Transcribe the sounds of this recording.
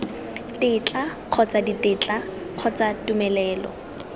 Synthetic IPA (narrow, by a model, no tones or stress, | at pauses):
tɪt͡ɬʼaq͡χʰɔt͡saditʼɪt͡ɬa | q͡χʰɔt͡satumɛlɛːlɔ̰